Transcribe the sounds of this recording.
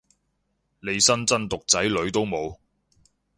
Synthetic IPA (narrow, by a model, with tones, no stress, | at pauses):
le˨˧jsɐ˥nt͡sɐ˥nt̪ʊ˨k̚t͡sɐ˨˥jlɵ˨˧ɥt̪o˥wmo˨˧w